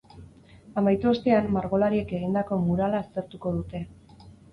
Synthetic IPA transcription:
amajt̪uost̪e̞amːaɾɣo̞laɾie̞ke̞ɣ̞ind̪ako̞muɾalaːst̪e̞ɾt̪uko̞ð̞ut̪e̞

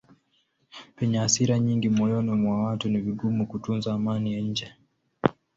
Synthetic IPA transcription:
pɛɲɛasiɾaɲiŋɡimɔjɔnɔmwawatuniviɡumukutunzaːmanijaɲ̩d͡ʒɛ

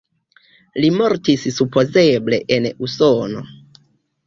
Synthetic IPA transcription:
limo̞ɾtissupo̞ze̞ble̞̰ʔenusono̞̰

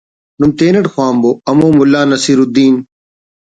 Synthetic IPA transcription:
numt̪eːnɐɽxwaːmboːɐmõːmʊlːaːnɐsiːɾud̪iːn

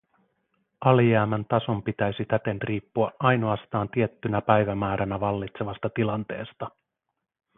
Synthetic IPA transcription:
ʔɑliæːmænt̪ɑso̞mpit̪æjsit̪æt̪e̞nriːpːuɑʔʔɑjno̞ɑst̪ɑːnt̪ie̞t̪ːynæpæjʋæmæːɾʔænæʋɑlːit̪se̞ʋɑst̪ɑt̪ilɑnt̪e̞̰ːst̪ɑ

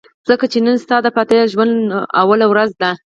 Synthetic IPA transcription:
z̥əkat͡ʃenənst̪ɑd̪əpat̪eʒwand̪awalawɾazd̪a

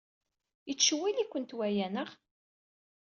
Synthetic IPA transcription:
jət͡sːʃwːilikʷːənt̪wæjænəʁ

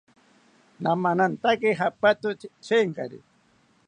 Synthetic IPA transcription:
namanant̪akiɦapat̪ʊt͡ʃeŋka̰ɾḭ

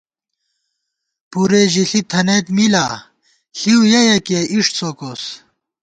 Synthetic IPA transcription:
puɾeʑiɬit̪ʰɐnet̪mila | ɬiwjɐjɐkeʔiʂʈsokoːs

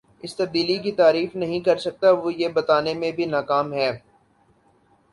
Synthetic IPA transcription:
ɪst̪ɐb̚d̪iːlikit̪aːɾiːfnɐɦĩkɐɾsɐk̚t̪aʋojebɐt̪aːnemẽbʱinaːkaːmɦɛː

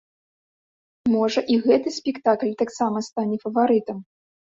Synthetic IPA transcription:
mɔʐɐʔiɣɛt̪ɨsʲpʲɛkt̪aklʲt̪aksamɐst̪anʲɛfɐvaɾɨt̪ɐm

